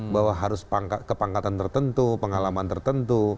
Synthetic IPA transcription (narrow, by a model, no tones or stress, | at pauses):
bawaɦaɾʊspaŋkat̪̚kəpaŋkat̪ant̪ərt̪ənt̪upəŋalamant̪ərt̪ənt̪u